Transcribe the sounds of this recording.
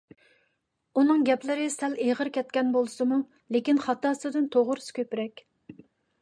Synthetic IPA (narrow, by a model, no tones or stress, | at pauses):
unɨŋɡʲɛplɪɾɪsɛleʁəɾkʲɛt̪̚kʲɛnbolˠɨsɨmu | lekʲinχɑt̪ɑːsɨd̪ɨnt̪ʰoʁʊɾskʲʰøpɾɛkʲ